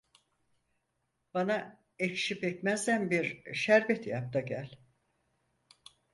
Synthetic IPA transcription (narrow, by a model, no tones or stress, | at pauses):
b̥ana | ecʃipɛcmæzd̪ænbiɾʃæɾbɛt̪jap̚t̪ʰaɟælʲ